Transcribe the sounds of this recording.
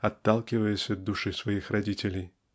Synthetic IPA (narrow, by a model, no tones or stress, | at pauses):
ɐt̪ːalˠkʲɪvəjɪsʲɐd̪d̪ːuʂɨsvɐjixɾɐdʲitʲɪlʲɪj